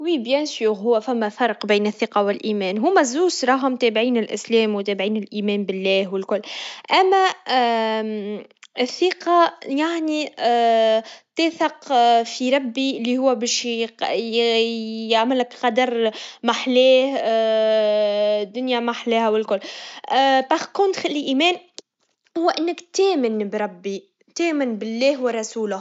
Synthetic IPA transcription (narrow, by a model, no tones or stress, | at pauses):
wiːbjænsjuːɣɦʊwːæfæmːæfɑɾˤqbiːnɪθːiqɑwɪlʔiːmɛːnɦʊmæzːuːsɾˤɑːɦʊmt̪ɛːbʕiːnɪlʔɪ̰slɛːmwt̪æːbʕiːnɪlʔiːmɛːmbɪlːɛːhwɪlkʊlːʔæmːæ | ɪθːiːqɑjaʕni | t̪æːθɑqfiɾˤɑbːiɪlːihʊwːæbɛːʃ | jaʕmɪlɪkqɑd̪ɑɾˤmaħlɛːh | d̪ːʊnjæmaħlɛːhæwɪlkʊlː | baxkʊnt̪xalːiʔiːmɛːn | hʊwːæʔɪnːəkt̪ɛːmɪnbɾˤɑbːi | t̪ɛːmɪnbɪlːɛːhwərˤɑsuːlʊh